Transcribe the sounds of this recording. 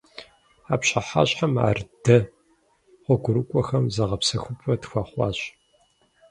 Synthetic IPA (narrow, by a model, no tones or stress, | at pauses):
aːpɕaħa̰ːɕʼħama̰ːrdɐ | χʷɔɡʷʊɾɨkʷʼɔxɐmzɐʁɐpsɐxʷʊpʷʰʼɐtxʷɑːχʷɑ̰ːɕ